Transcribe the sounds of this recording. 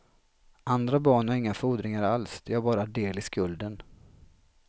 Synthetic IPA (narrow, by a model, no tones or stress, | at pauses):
ʔand̪ɾabɑːɳaɾɪŋːafuːd̪ɾɪŋaɾalsd̪ɛhaɾbɑːɾad̪eːlɪskɵld̪ən